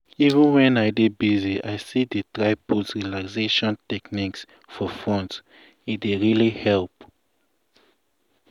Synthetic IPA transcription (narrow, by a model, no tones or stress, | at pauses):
ivĩnwɛ̃naɪdebiziʔaɪsidetɹaɪbutsɹilakseʃɔ̃ntɛkniks | fɔfɔ̃ns | itdeɹilihɛlp